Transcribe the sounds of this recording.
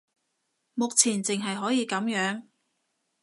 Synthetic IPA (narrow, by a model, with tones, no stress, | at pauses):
mʊ˨k̚t͡sʰiː˨˩nt͡sɪ˨ŋɦɐ˨jɦɔː˨˥jiː˨˧kɐ˨˥mjœː˨˥ŋ